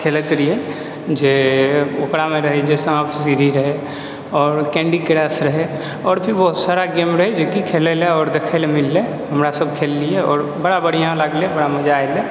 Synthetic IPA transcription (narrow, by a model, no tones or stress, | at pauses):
kʰelət̪ɾije | d͡ʒeokɽamẽɾəɦɛd͡ʒesəapsiɾiɾəɦe | ɔːɾkɛ̃ɳɖikɾɛːsɾəɦe | ɔːɾpʰɪɾbɔɦʊt̪saɾaɡemɾəɦed͡ʒokikʰeleleɔːɾd̪ekʰelemɪlːe | ɦəmɾasəb̚kʰelːieɔ̰ːɾbəɽabəɽ̤ijãləɡlebəɽaməd͡ʒaele